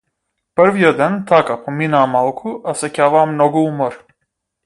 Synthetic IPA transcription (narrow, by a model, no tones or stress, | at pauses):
pəɾviɔd̪ɛnt̪ʰakapɔminaːmalˠkʰuʔasɛcʲavaːmnɔɡuumɔɾ